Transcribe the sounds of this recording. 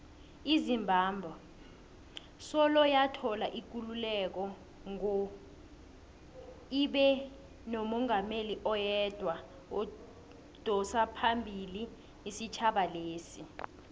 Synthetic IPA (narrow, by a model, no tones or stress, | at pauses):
izimbʱaːmbʱɔ | sɔlɔjatʰɔlaʔik̬ululɛk̬ɔ | ŋɔ | iɓɛ | nomɔŋameliʔɔjɛd̥ʱwa | o | d̥ʱɔsapʰambʱiliː | sit͡ʃʰaɓaleːsi